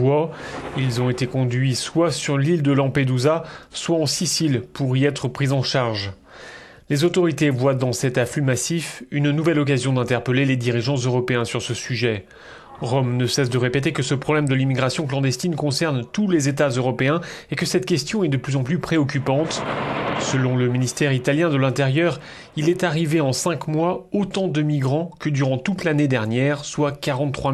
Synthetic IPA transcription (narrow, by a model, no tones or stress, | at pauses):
wailzɔ̃et̪ekɔ̃d̪ɥiswasyʁlild̪əlɑ̃ped̪uzaswaɑ̃sisilpuʁiɛt̪χəpχizɑ̃ʃaʁʒ | lezot̪ɔʁit̪evwad̪ɑ̃sɛt̪afymasifynnuvɛlɔk̬azjɔ̃d̪ɛ̃t̪ɛʁpəleled̪iʁiʒɑ̃zøʁɔpeɛ̃syʁsəsyʒɛ | ʁɔmnəsɛsd̪əʁepet̪̬ekəsəpχɔblɛmd̪əlimiɡʁasjɔ̃klɑ̃d̪ɛst̪inkɔ̃sɛʁnt̪ulezet̪azøʁɔpeɛ̃ekəsɛt̪̚kʲɛst̪jɔ̃ɛd̪əplyzɑ̃plypχeɔk̬ʲypɑ̃t̪səlɔ̃ləminist̪ɛʁit̪aljɛ̃d̪əlɛ̃t̪eʁjœʁ | ilɛt̪aʁiveɑ̃sɛ̃kmwaot̪ɑ̃d̪əmiɡʁɑ̃kəd̪yʁɑ̃t̪ut̪laned̪ɛʁnjɛʁswakaʁɑ̃t̪ːχwa